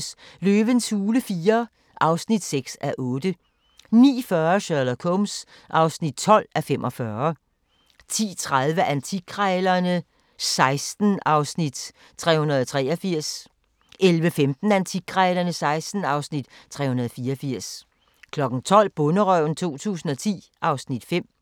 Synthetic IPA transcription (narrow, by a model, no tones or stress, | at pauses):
sløːʋənsuːləfiːɐ | ʔɑ̈ʊsnid̥seɡ̥sæʔɔːd̥ə | nḭːfɶɐɕœɐlɐkʰɔms | ʔɑ̈ʊsnid̥̚t͡sʰɒ̽l̰æfemʔɒ̽fɶɐ | t͡sʰḭːt͡sʰʁað̞ˠʋəʔænt͡sʰiɡʰʁɛːlɐnə | sɑ̈ɪsd̥n̩ɑ̈ʊsnid̥ | t͡sʰʁɛ̰ːhunɐðˠɒ̽t͡sʰʁɛ̰ːɐfiɐ̰s | elʋəfemd̥n̩ænt͡sʰi̥ʁɛːlɐnəsɑ̈ɪsd̥n̩ɑ̈ʊsnid̥t͡sʰʁɛ̰ːhunɐðˠɒ̽fiːɐɐfiɐ̰s | kʰlɒ̽ɡ̥n̩t͡sʰɒ̽l̰b̥ɔ̽nəʁœʊ̰n̩t͡sʰo̝̰ːt͡sʰṵːsn̩ɒ̽t͡sʰḭː | ʔɑ̈ʊsnid̥fem̰